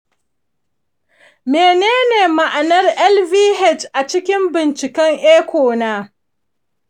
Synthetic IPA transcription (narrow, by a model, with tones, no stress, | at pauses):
meː˨neː˦neː˨ma˨ʔa˨nɐ˦rʔɛ˦lviː˦ɦɛ˦˨t͡ʃʔa˨t͡ʃɪ˦kʲɪ˦mbɪ˨nt͡ʃɪ˨kɐ˦ŋʔeː˦kʷoː˨naː˦